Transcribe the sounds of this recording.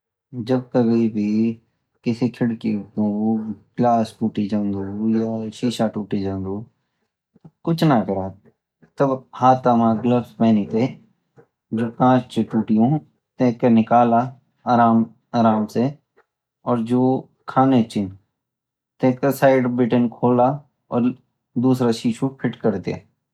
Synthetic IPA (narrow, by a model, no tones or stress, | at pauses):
d͡ʒɐb̚kəbʱibʱi | kɪsikʰɪɽkit̪uɡlaːsʈuːʈid͡ʒãːnd̪uːjaʃiːʃaʈuːʈid͡ʒãːnd̪uː | t̪kʊt͡ʃʰnakɐɾa | t̪ɐbhaːt̪amãɡləfspɛːnit̪e | d͡ʒoːkãːt͡ʃt͡ʃeʈuːʈijõ | t̪ẽːkenɪkaːla | aːɾaːm | aːɾaːmse | ɔːɾd͡ʒoː | kʰaːnet͡ʃɪn | t̪ẽːkesaːɪɖbɪʈənkʰoːla | ɔ̰ːɾ | d̪uːsɾaʃiːʃupʰɪʈkəɾt̪ea̰ː